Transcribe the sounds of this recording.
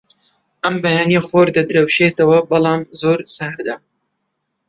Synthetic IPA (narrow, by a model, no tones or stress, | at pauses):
ʔɐmbɐjaːnijɐχoːɾd̪ɐd̪ɨɾɐwʃet̪ɐwɐbɑlˠɑːmzoːɾsɐhɾd̪ɐ